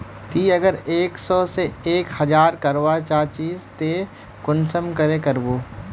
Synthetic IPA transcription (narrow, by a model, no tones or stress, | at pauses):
t̪iːɐɡəɾeːksɔːseeːkhɐd͡ʒaːɾkɐɾoːʋat͡ʃaːt͡ʃiːzt̪eː | kʊnsəmkəɾekəɾboː